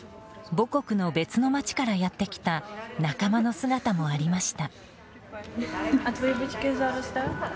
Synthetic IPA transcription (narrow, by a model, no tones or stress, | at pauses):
bo̞ko̞kɯ̟no̞be̞t͡sɨno̞mat͡ɕi̥kaɾajat̪ːe̞kʲi̥t̪anakamano̞sɨɡat̪amo̞aɾʲimaɕi̥t̪a | at̪βojbɯt̪ʲi̥kʲezaɾɯst̪a